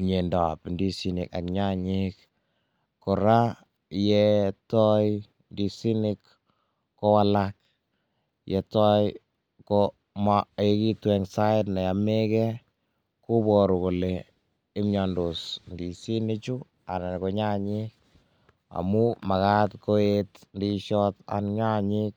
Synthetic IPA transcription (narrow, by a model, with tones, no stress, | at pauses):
ɲe˨ndɔ̰˨pndi˦si˨nɪ̰˨ka̰˨kɲa˦ɲik | ko˨ɾa˦ | jɛtɔ˦j | ndisi˦nɪkː | o˦walak̚ | jɛtɔ˦j | kɔ | maeki˦twɛŋsa˦ɪtnɛ˨ja˨me˦kɛ | ku˦bɔ˨ɾu˨ko˨le | ɪ˦mɲa˨ndo˨sndi˨si˦nɪt͡ʃu˦ | a̰˨na˨ko˨ɲa˦ɲɪk̚ | a̰muma˨ka˦tko˦etndi˦ʃɔta̰nɲa˦ɲɪk̚